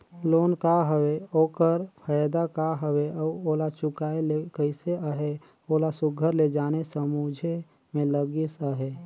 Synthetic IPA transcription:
loːnkaɦəweoːkəɾpʰəjd̪akaɦəweɔoːlat͡ʃʊkaːelekəɪseaɦe | oːlasʊɡʱəɾled͡ʒaːnesəmud͡ʒʱe | mẽləɡisaɦe

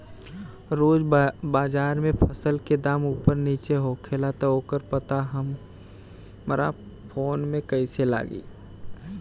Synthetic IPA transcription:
ɾoːd͡ʒbaːd͡ʒaːɾmẽpʰəsəlked̪aːmuːpəɾniːt͡ʃeɦoːkʰelat̪ɔoːkəɾpət̪aɦəm | ɾa̰ | pʰoːnmẽkəɪsela̰ːɡḭː

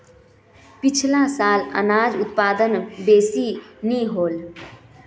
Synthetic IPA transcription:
pɪt͡ʃʰlãsaːlə̰naːd͡ʒʊt̪̚paːd̪ənbeːsiniɦoːl

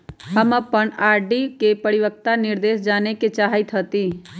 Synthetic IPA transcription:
ɦəməpːənaːɾɖikepəɾiʋək̚t̪anɪɾd̪eːsd͡ʒaːneket͡ʃaːɦjt̪ʰɦət̪iː

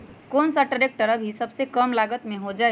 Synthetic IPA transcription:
konsəʈəɾek̚ʈəɾəbʱisəbsekəmlaɡət̪meɦod͡ʒae

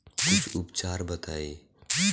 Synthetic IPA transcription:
kʊt͡ʃʰʊpt͡ʃaːɾbət̪aːiː

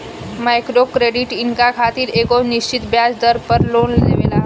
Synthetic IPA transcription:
majkɾokɾeɖiʈiŋkakʰat̪iːɾekoniɕt͡ɕit̪bjad͡zd̪əɾpəɾlonlḛʋela

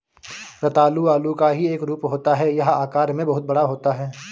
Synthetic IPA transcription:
ɾɐt̪aːluaːlukaɦieːkɾuːpɦoːt̪aɦɛjɐɦaːkaːɾmẽbɐɦʊt̪̚bɐɽaɦoːt̪aɦɛː

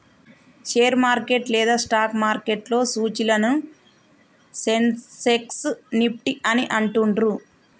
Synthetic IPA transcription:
ʃeːɾmaːɾke̞ʈlɛːd̪aːsʈaːkmaːɾke̞ʈlo̞ːsuːt͡ʃilɐnu | senseksnipʈiʔɐniʔɐɳʈuɳɖɾu

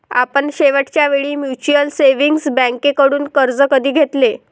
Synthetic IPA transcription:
a̰pəɳɕeʋəʈt͡ɕjaʋeɭiːmjut͡ɕuəlseʋiŋɡsbɛ̃ŋkekəɽuːnkəɾd͡zəkəd̪ʱiːɡʱet̪le

